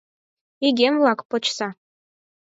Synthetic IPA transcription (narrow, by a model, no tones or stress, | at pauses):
iɡʲemvlˠɑkpɤ̆t͡ɕsɑ